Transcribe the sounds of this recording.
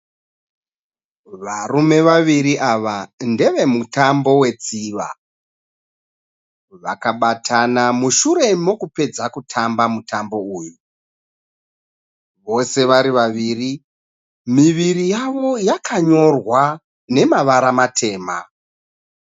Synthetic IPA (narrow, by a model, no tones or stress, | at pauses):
ʋarume̞ʋaʋiɾiʔaʋande̞ʋe̞mutambo̞we̞t͡siːʋa̰ | ʋakaɓatʰanamuʃuɾe̞mo̞kupe̞d͡zakutʰambamutambo̞uːju | ʋo̞se̞ʋaɾiʋaʋiːri | miʋiɾijaʋo̞jakʰaɲo̞rwa | ne̞maʋaɾamatʰe̞ːma̰